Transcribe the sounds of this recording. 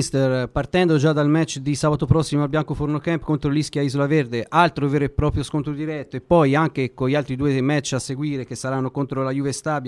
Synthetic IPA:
st̪erpart̪ɛnd̪od͡ʒad̪almɛt͡ʃːd̪isaːbat̪opɾɔsːimoalbjaŋkofornokɛmpkont̪ɾolisk̟jaizolaverd̪eʔalt̪ɾovɛːɾoepɾɔːpɾjoskont̪ɾod̪iɾɛt̪ːoepːɔjaŋk̟ekoʎːalt̪ɾid̪uːemɛt͡ʃːasːeɡwiːɾek̟esːaɾanːokont̪ɾolajuvest̪abj

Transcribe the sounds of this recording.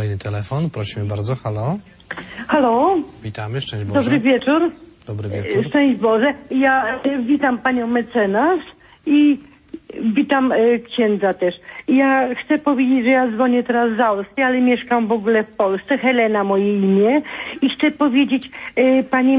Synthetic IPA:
ɔɛjnɘt̪ʰɛlɛfɔnpɾɔɕimɘbaɾd̪zɔxalɔ | xalɔvʲit̪amɘʂt͡ʂɛ̃bdɔd̪ɔbɾɨvʲjɛt͡ʂuɾd̪̥ɔbɾɨvʲɛʂt͡ʂɛ̃w̃ʑd͡ʑbɔʐɛjavʲit̪ampaɲɔ̃w̃mɛt̪sɛnas | i | vʲit̪amkɕɛnd̪zat̪ɛʂjaxt̪sɛpɔvʲjed͡ʑed͡ʑʐɛjazvɔɲɛt̪ɛɾazːaɔskʲialɛmʲjɛʂkamvɔɡulɛfpɔlst̪sɛxɛlɛnamɔjɛimʲjɛixt̪sɛpɔvʲjed͡ʑet͡ɕpaɲi

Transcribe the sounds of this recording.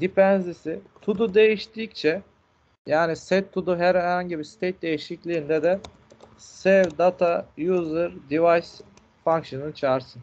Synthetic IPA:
d̪ipɛnzisɪt̪ʰud̪ud̪e̞jiʃt̪iːc̚t͡ʃʰɛ | jaːnisɛt̪ʰːud̪uɦæɾhɾhaɲɟibiɾst̪ʰejt̪̚d̪e̞jiʃiclʲiːnd̪ɛd̪ɛ | sɛvd̪at̪ʰajuːzɯɾd̪ivajs | faŋkʃɯnɯnɯt͡ʃʰaːɾsɯn

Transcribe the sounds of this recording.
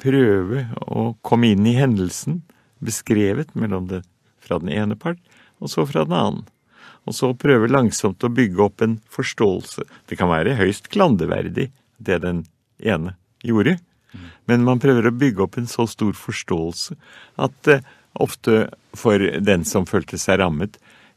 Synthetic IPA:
pʰɾøːʋəɔ̰kʰɔmːəɪnːɪɦɛnd̪əlsn̩ | bəskɾeːʋət̪mɛlːɔmd̪ɛ | fɾɑ̰d̪ɛneːnəpʰɑʈː | ɔsɔfɾɑ̰d̪ɛnɑ̰ːn̩ | ɔsɔpʰɾøːʋəlɑŋsɔmt̪ɔbʏɡːəɔpːɛnfɔʂʈoːlsə̰d̪̥ɛkʰɑnʋæ̰ːɾəɦœʏst̪ɡʰlɑnd̪əʋæ̰ɾd̪ɪ̰ | d̪ɛd̪ɛn | ʔeːnə | juːɾə | mɛnmɑnpʰɾøːʋəɾɔbʏɡːəɔpːɛnsɔst̪uːɾfɔʂʈoːəlsə | ʔɑ̰t̪ | ʔɔ̰ft̪ə | fɔɾd̪ɛnsɔmføːlt̪ʰəsæɪɾɑmːət̪

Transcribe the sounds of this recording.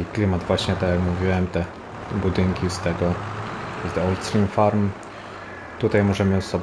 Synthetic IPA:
iklʲimad̪vwaɕɲɛt̪ɔjakmuvʲiwɛmt̪ɛ | bud̪ɘŋkʲist̪ɛɡɔ | zd̪ɔlt̪st̪ɾʲimfaɾm | t̪ut̪ajmɔʐɛmɘsɔb

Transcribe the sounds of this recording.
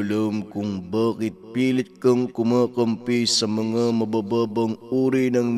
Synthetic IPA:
lɐmkʊŋbaːkɪt̪̚piːlɪt̪̚kɐŋkʊmaːkɐmpisɐmɐŋɐmɐbaːbaːbɐŋuːɾinɐŋn

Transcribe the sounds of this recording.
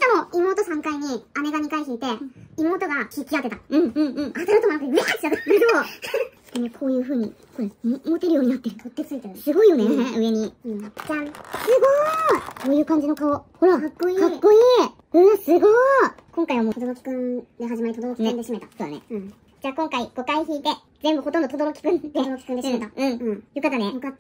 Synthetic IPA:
d̪amo̞imo̞ːt̪o̞sãŋkaiɲ̟iane̞ɡaɲ̟ikaiçiːt̪e̞imo̞ːt̪o̞ɡakikʲːiak̪e̞t̪aɯ̟̃ɴɯ̟̃ɴɯ̟̃ɴat̪aɾɯt̪omanakɯeat͡ɕiak̪eid̪od̪enekʰo̞ːjɯ̟ːɸɯ̟ːɲ̟ḭ | koɾemot̪eɾɯjo̞ːɲ̟inat̪ːe̞ɾɯ̟kot̪ːet͡sɨit̪esɨɡo̞ijo̞neeɯ̟e̞ɲ̟iɯkʲãsɨɡoso̞ːjɯ̟ːkãɲ̟d͡ʑino̞kaohoɾakakːoikʰakːo̞iː | ɯ̟̃sɨɡokõŋkaiβamoːod̪oɾokʲi̥kɯ̟̃nd̪e̞ɦaʑimaɾʲit̪od̪ookikɯ̃nd̪eɕimet̪asoːd̪a̰nḛɯ̟̃ɴ | d͡ʑaːkõŋkaiɡ̥o̞kaiçiːt̪e̞ | zembɯ̟ho̞t̪õnd̪ot̪od̪oɾokʲi̥kɯ̟̃nd̪eɾokʲi̥kɯ̃nd̪eet̪aɯ̟̃ɴɯ̟̃jo̞kat̪ːanejoka

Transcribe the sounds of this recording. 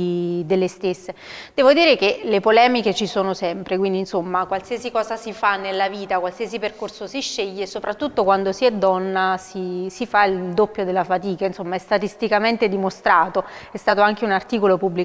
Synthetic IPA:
d̪elːest̪esːed̪̥ɛːvod̪iːɾekelepolɛːmiket͡ʃisoːnosɛmpɾekwind̪insomːakwalsiazikɔːzasifanːelːaviːt̪akwalsiːaziperkorsosiʃːeʎːesopɾat̪ːut̪ːokwand̪osiɛd̪ːɔnːasisifaild̪opːjod̪elːafat̪iːkainsomːaɛst̪at̪ist̪ikament̪ed̪imost̪ɾaːt̪oɛst̪aːt̪oaŋk̟eunart̪iːkolopubːli

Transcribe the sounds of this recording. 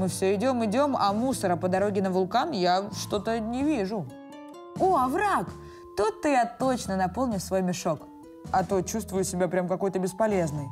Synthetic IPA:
mɨfsʲɵɪdʲo̞mɪdʲo̞mɐ̰musəɾəpəd̪ɐɾo̞ɡʲɪnəvʊlˠkanjaʂt̪o̞t̪ənʲɪvʲiʐʊ | oɐvɾak | t̪ut̪ːɨjat̪o̞t͡ɕnənɐpolˠnʲɪsvo̞jmʲɪʂo̞k | ɐt̪ot͡ɕust̪vʊjʊsʲɪbʲapɾʲamkɐko̞jt̪əbʲɪspɐlʲe̞znɨj

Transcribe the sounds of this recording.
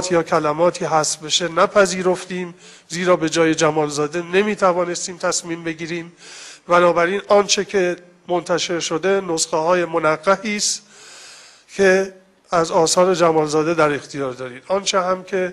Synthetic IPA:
t̪ʰjɒːkʰælæmɒːt̪ʰiːɦæsbeʃenæpʰæziːɾoft̪iːm | ziːɾɒːbe̞d͡ʒɒːje̞d͡ʒæmɒːlzɒːd̪e̞ne̞miːt̪ʰævɒːne̞st̪iːmt̪ʰæsmiːmbe̞ɡiːɾiːmbænɒːbæɾiːnɒːnt͡ʃʰekʰe̞ | mo̞nt̪ʰæʃe̞ɾʃod̪e̞nosxehɒːje̞monæɢːæhiːst̪ | cʰe̞ | æzɒːsɒːɾe̞d͡ʒæmɒːlzɒːd̪e̞d̪æɾe̞xt̪ʰijɒːɾd̪ɒːɾiːd̪̥ɒːnt͡ʃʰeɦæmkʰe̞

